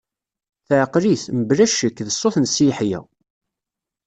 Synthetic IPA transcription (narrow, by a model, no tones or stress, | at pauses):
θʕəqɾiθməbɾæʃəkːðəsˤːoθnsiħjæ̰